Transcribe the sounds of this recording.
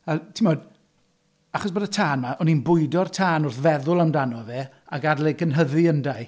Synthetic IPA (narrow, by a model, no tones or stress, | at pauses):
atʰimɔd | aχɔsbədətʰaːnmaʔɔninbʊɨdɔrtʰaːnʊrθvɛðʊlˠawmndanɔveː | aɡadlɛɡʰənɦəðɨəndaj